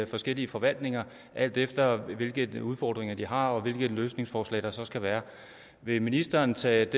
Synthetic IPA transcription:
fɒ̽sɡ̥el̰iəfɒ̽ʋæl̰d̥ne̝ŋɐ | ʔæl̰d̥efd̥ɐʋe̝lɡ̥ð̩ˠuðˠfɒːd̥ʁeŋɐd̥iɦɑ̈ɒ̽ʋe̝lɡ̥ð̩ˠløːsne̝ŋsfɒːslɛ̰ːd̥ɑ̈sɒ̽sɡ̥æʋæːɐ | ʋe̝minisd̥ɐːnt͡sʰɛ̰ːd̥

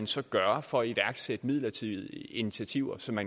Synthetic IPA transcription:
nsɒ̽ɡ̥ɶɐfɒ̽æiʋæɐɡ̥sed̥əmið̰ˠlɐt͡sʰið̰ˠi̝nit͡sʰiæt͡sʰiʊ̰ɐsɒ̽mːæn

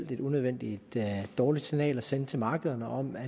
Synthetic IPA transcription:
l̰d̥e̝d̥unøð̞ˠʋen̰d̥id̥d̥ɒːlid̥sinɛ̰ːlɒsent͡sʰe̝mɑ̈ːɡ̥əðˠɐnəʔɒ̽mæ

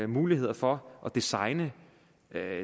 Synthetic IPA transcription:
muːlihe̝ð̞̰ˠɐfɒ̽ʔɒ̽d̥isɑ̈ɪnə

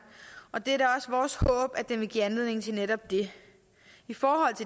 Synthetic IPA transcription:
ɒ̽d̥e̝æɾɑ̈ɒ̽sʋɒːshɔ̰̽ːb̥æd̥enʋe̝ɡ̥ḭːænle̝ð̰ˠne̝ŋnt͡sʰe̝lneɾɒ̽b̥̚d̥e̝ | ifɒːɦɒ̽l̰t͡sʰe̝

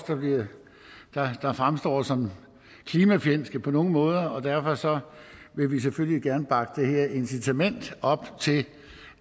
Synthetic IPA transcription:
sd̥ɑ̈b̥liɐ | d̥ɑ̈d̥ɑ̈fʁamsd̥ɒ̰ːsɒ̽m | kʰliːmæfjen̰sɡ̥əpʰɒ̽no̝ːn̩mɔ̽ːð̞ˠɐɒ̽d̥æɐ̰fɒ̽sɒ̽ʋe̝ʋis̬efølliɡ̥æɐnəb̥ɑ̈ɡ̥əd̥eheɐʔe̝nsit͡sʰæmen̰d̥ɒ̽b̥t͡sʰe̝l

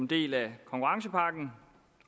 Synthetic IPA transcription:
mnd̥e̝̰ːlækʰɒ̽ŋkʰuʁŋs̬əpʰɑ̈ɡ̥n̩

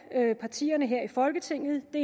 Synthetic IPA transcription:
øpʰɑ̈t͡sʰḭːɐnəɦeɐ̰ifɒ̽lɡ̥ət͡sʰe̝ŋ̰ð̩ˠd̥e̝

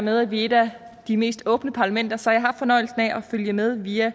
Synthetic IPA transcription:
með̞ˠæʋie̝d̥æ | d̥ime̝̰ːsd̥ɔ̽ːb̥nəpʰɑ̈læmen̰d̥ɐsɒ̽jɦɑ̈ffɒ̽nɒ̽ɪl̩sn̩æʔɒføljəmeð̞ˠʋiːæ

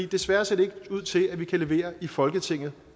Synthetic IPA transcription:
ḭːd̥e̝sʋæːɐse̝ɐd̥eeɡ̥uð̞̰ˠt͡sʰe̝læʋikʰæle̝ʋe̝̰ːɐifɒ̽lɡ̥ət͡sʰe̝ŋ̰ð̞̩ˠ

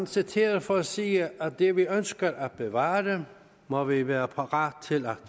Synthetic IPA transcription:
nsit͡sʰe̝̰ːɐð̩ˠfɒæsiːæd̥eʋiønsɡ̥ɐʔæb̥eʋɑ̈ːd̥e | mɒʋiʋæːɐpʰɑʁɑ̰̈ːd̥̚t͡sʰe̝læ

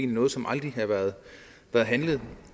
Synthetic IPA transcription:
nnɔ̽ːð̩ˠsɒ̽mʔɑ̈ld̥ʁiɦɑʋæɐðˠ | ʋæːɐðˠɦænləð̩ˠ

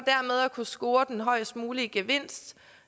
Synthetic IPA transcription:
d̥æɐ̰með̞ˠækʰusɡ̥o̝ːɐd̥enɦɒ̽ɪ̰sd̥muːliəɡ̥e̝ʋe̝n̰sd̥

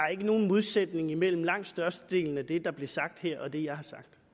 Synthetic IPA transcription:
ɑ̈e̝ɡ̥əno̝ːn̩mo̝ð̞ˠsed̥ne̝ŋimel̰m̩lɑ̈ŋ̰d̥sd̥ɶɐsd̥əd̥e̝̰ːln̩æd̥e̝d̥ɑ̈b̥le̝ɐsɑ̈ɡ̥̚d̥hɛɐ̰ɒ̽d̥e̝jɑ̈ɪɦɑ̈sɑ̈ɡ̥̚d̥

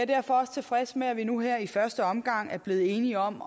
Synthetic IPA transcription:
æɐd̥æɐ̰fɒ̽ɒ̽st͡sʰe̝fʁɛsmeæʋinuɦeɐ̰ifɶɐsd̥əɒ̽mɡ̥ɑ̈ŋ̰æɐb̥le̝ːð̩ˠe̝ːniɒ̽m̰

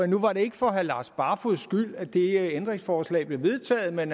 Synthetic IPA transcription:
nuʋɑ̈ɾe̝e̝ɡ̥əfɒ̽ɦælɑ̈ːsb̥ɑ̈ːfuðˠsɡ̥yl̰æd̥e̝end̥ʁeŋsfɒːslɛ̰ːɪb̥le̝ʋe̝ðˠt͡sʰɛ̰ːð̩ˠmen

